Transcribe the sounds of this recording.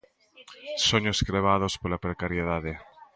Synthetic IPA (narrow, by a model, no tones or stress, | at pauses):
soɲoskɾeβ̞að̞ospolapɾekaɾjeð̞aðe